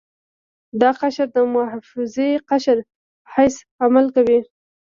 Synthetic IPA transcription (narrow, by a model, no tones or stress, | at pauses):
d̪ɑqaʃɾd̪əmahfɪzeqaʃəɾ | hajs | amalkawi